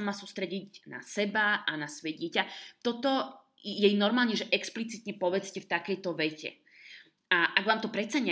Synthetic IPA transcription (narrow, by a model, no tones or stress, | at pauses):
amaːsuːst̪ɾɛɟiɟna̰sɛbaʔanasʋɔjɛɟɪɛcat̪ɔt̪ɔ | jɛjnɔɾmaːlɲɛʒɛʔɛksplit͡sit̪ɲɛpɔʋɛt͡scɛft̪akɛjt̪ɔʋɛcɛ̰ | aʔaɡʋaːmt̪ɔpɾɛt̪t͡saɲɛ